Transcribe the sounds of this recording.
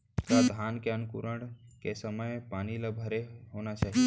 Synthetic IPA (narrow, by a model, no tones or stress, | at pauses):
kad̪ʱaːnkeənʊkuɾəɽ̃ | kesəməjpaːniləbʱəɾeɦoːnat͡ʃaːɦi